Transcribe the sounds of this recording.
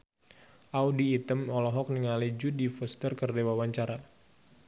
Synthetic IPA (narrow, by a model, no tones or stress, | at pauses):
ʔawdiːt̪əmɔlɔɦɔk̚niŋalid͡ʒudifəst̪ərkərdewawaɲt͡ʃaɾa